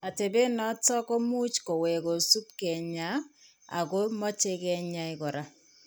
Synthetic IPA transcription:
a˨te˨be˦nɔ˦tɔ˦kɔ˦mu˦t͡ʃko˨wɛ˨ko˨su˦tkɛ˨ɲa˨˦ | a̰˨ko˦mɔ˦t͡ʃe˦kɛ˦ɲa˦ɪ˨kɔ˨ɾa˦

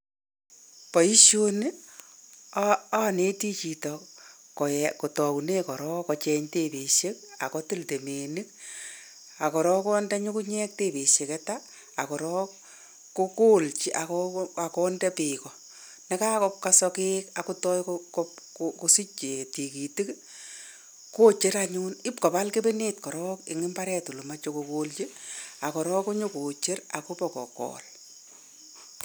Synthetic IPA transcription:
pɔ˨i˦ʃo˦n˦ | a˦˨ne˦ti˦t͡ʃi˨tɔ | kɔ˨ɛko˨tɔ˨wu˨ne˦kɔ˨ɾɔ˦kɔt͡ʃɛ˦ɲte˨pe˨ʃe˦k̚a̰˨kɔ˦ti˦lte˨me˨ni˦k̚ | a˨kɔ˨ɾɔ˦kɔ˦ndɛ˦ɲu˦ku˦ɲɛ˦k̚te˨pe˨ʃe˨kɛ˦taː˦˨ | kɔ˨ɾɔ˦ | ko˦ko˦lt͡ʃiʔa˨kɔa˨kɔ˦ndɛ˦pi˨kɔ˨ | ne˦ka˦kɔ˦p̚ka˦sɔ˧keːka˨ku˦tɔ˦jkkɔ | ku˨si˦t͡ʃe˨ti˨ki˨ti˦k | ko˦t͡ʃe˦ɾaɲunɪ˦pkɔ˨pa˦lke˦be˦neː˦tkɔ˨ɾɔ˦kɪ˨ŋɪ˦mba˦ɾɛ˦tu˨lo˨ma˦t͡ʃo˦ko˨ko˦lt͡ʃi˦a˨kɔ˨ɾɔ˦ku˦ɲu˦ko˨t͡ʃe˦ɾa˨ku˦pɔ˨kɔ̰˨kɔ̰˨l

